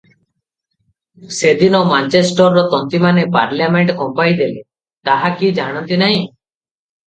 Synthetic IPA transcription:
sed̪inɔmant͡ʃesʈɔɾːɔt̪ɔnt̪imanepa̰ɾljameɳʈkɔmpajd̪ele | t̪aɦakid͡ʒaɽ̃ɔnt̪inaɦĩ

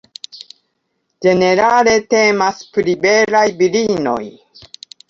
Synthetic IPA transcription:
d͡ʒe̞ne̞ɾale̞te̞maspɾibe̞lajbilino̞̰j

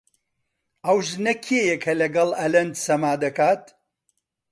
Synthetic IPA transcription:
ɐwʒnɐkʰejɛkʰɐlɐɡɐlˠɐlɐnd̪sɐmaːd̪ɐkaːt̪

